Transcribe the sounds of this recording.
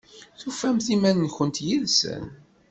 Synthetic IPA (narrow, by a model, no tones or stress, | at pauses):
θufæmθimænnçənt̪jilsə̰n